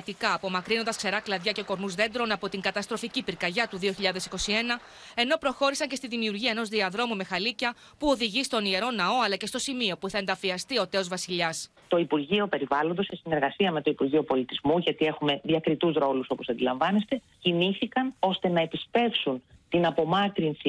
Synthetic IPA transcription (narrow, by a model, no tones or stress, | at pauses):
t̪ikɐːpo̞mɐkɾinond̪ɐskse̞ɾɐklɐðʝɐce̞ko̞ɾnuzðe̞nd̪ɾo̞nɐpo̞t̪iŋɡɐt̪ɐst̪ɾoficipiɾkɐʝɐt̪uðio̞çiʎɐðe̞siko̞sie̞nɐ | e̞no̞pɾo̞xo̞ɾisɐɲcest̪iðimiuɾʝiɐe̞no̞zðiɐðɾo̞mume̞xɐlicɐ | puo̞ðiʝist̪o̞nie̞ɾo̞nɐo̞ɐlɐce̞st̪o̞simio̞puθɐend̪ɐfiɐst̪io̞t̪e̞o̞zvɐsiʎɐs | t̪o̞ipuɾʝio̞pe̞ɾivɐlo̞nd̪osesine̞ɾɣɐsiɐme̞t̪o̞ipuɾʝio̞po̞lit̪izmuʝɐt̪ie̞xume̞ðiɐkɾit̪uzɾo̞luso̞po̞sɐnd̪ilɐɱvɐne̞st̪e̞ | ciniθikɐno̞st̪e̞nɐepispe̞fsunt̪inɐpo̞mɐkɾinsi